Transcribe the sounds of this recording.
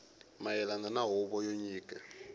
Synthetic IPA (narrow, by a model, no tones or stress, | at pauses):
majɛlandanaɦɔβɔjoɲiːkʼa